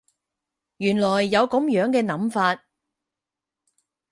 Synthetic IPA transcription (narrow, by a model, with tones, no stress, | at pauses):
jyː˨˩nlɔː˨˩jːɐ˨˧wkʊ˨˥mjœː˨˥ŋkɛː˧nɐ˨˥mfaː˧t̚